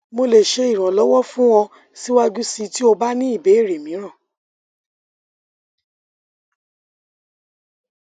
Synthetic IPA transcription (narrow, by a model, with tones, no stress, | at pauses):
mo˧le˨ʃe˧i˨ɾ̃ã˨lɔ˨˦wɔ˦fũ˦w̃ɔ̃˧ | si˦wa˦d͡ʒu˦si˧ti˦o˧ba˦nĩ˦i˦˨be˨˦i˦˨ɾe˨mĩ˨˦ɾ̃ã˦˨